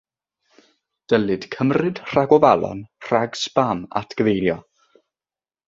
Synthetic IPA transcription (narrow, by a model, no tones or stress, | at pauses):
d̥əlˠɨd̥kʰəmrɨd̥r̥aɡɔvalˠɔ̰nr̥aɡsb̥ama̰tʰɡ̥əvejljɔ